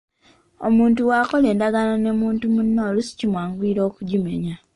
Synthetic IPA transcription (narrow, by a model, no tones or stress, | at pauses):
o̰muːntuwaːkole̞ːndaɡanone̞muːntumunːolusi̥cimwaːŋɡwiːɾoːkuɟimeɲa